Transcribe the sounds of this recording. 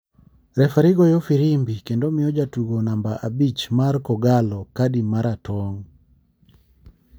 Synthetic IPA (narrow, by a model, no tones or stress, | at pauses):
ɾɛfaɾɪɡɔjofiɾimbikendomɪjɔd͡ʒatuɡonambaʔabit͡ʃmarkɔɡalɔkadimaɾatɔŋ